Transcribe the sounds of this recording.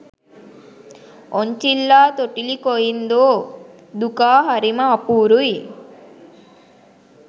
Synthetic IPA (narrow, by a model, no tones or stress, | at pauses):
oɲt͡ʃilːaːt̪oʈilikojind̪oː | d̪ukaːɦɐɾimɐːpuːɾuj